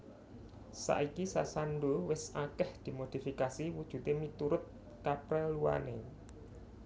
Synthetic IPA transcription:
sa̰ʔikisa̰sanɖowɪsakɛhd̪̥i̤mod̪̥i̤fikasiwud̥ʒ̥ṳt̪emit̪uɾʊt̪̚ | kapɾɛlua̰nḛ

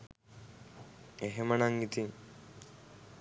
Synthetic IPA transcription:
eɦemənaŋit̪iŋ

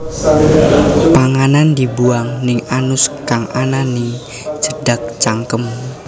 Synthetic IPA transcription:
paŋanandibuaŋnɪŋanʊskaŋʔanani | t͡ʃədak̚t͡ʃaŋkəm

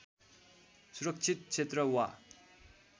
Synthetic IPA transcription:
sʰrək̚t͡ɕʰet̪̚t͡ɕʰet̪rəwa

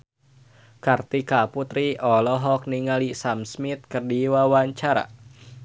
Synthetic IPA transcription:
kart̪ikaput̪ɾiʔɔlɔɦɔk̚niŋalisamsmit̪̚kərdiwawaɲt͡ʃaɾa̰

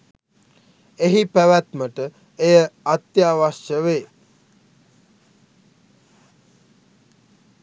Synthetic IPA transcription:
eɦipæʋæt̪məʈə | ejəat̪jaːʋaʃjəʋeː

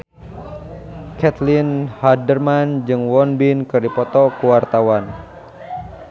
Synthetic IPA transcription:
kɛt̪linhadərmand͡ʒɨŋwɔnbinkɨrdipɔt̪ɔkuwart̪awan

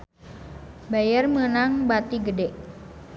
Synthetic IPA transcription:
bajərmənaŋbat̪iɡədɛʔ

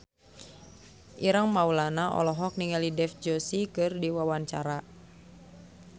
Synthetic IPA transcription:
ʔiɾaŋmaulanaʔɔ̰lɔɦɔk̚niŋalidɛfd͡ʒɔsikɨrdiwawaɲt͡ʃaɾa

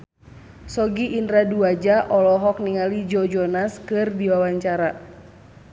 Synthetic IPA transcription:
sɔɡiʔːndɾaduad͡ʒaʔɔlɔɦɔk̚niŋalid͡ʒɔd͡ʒɔnaskɨrdiwawaɲt͡ʃaɾa

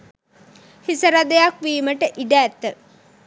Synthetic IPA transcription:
hisəɾad̪əjakʋiːməʈəʔiɖæːt̪ːə

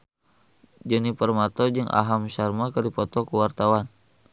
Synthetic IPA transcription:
d͡ʒənipərmat̪ɔd͡ʒɨŋʔa̰ɦamʃarmakədipɔt̪ɔkəwart̪awan

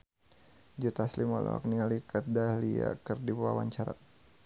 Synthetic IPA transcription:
d͡ʒut̪aslimɔlʔɔ̰a̰k̚nialikʰətdahlia̰kərdipuwawaɲt͡ʃaɾa̰

